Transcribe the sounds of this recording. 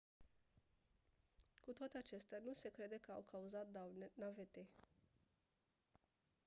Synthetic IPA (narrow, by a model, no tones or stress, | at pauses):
kut̪oat̪eat͡ʃe̞st̪eanuse̞kɾe̞d̪e̞kəawkʰauzat̪̚d̪anavet̪e̞